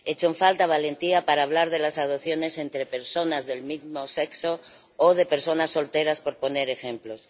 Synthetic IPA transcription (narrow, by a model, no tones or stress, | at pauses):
et͡ʃoɱfalt̪aβ̞ale̞nt̪iapaɾaːβ̞laɾðe̞lasað̞oθjo̞ne̞se̞nt̪ɾe̞pe̞ɾso̞nazðe̞lmizmo̞se̞kso̞ː | ð̞e̞pe̞ɾso̞nasːo̞lt̪e̞ɾaspo̞ɾpo̞ne̞ɾe̞xe̞mplo̞s